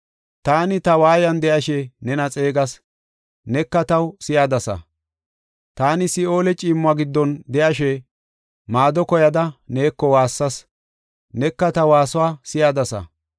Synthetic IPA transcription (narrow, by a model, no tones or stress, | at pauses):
t̪aːnɪt̪ɐwaːjɐnd̪ɛʔɐʃɛnɛnɐt͡sʼe̞ːɡɐs | nɛkːɐt̪ɐwsɪjad̪ɐsɐ̰ | t̪aːnɪsɪo̞ːlɛt͡ʃʼɪːmːʊɐɡɪd̪ːɔnd̪ɛʔɐʃɛ | maːd̪ɔkɔjɐd̪ɐneːkːɔwaːsːɐs | nɛkːɐt̪ɐwaːsʊwaːsɪjaːd̪ɐsɐ̰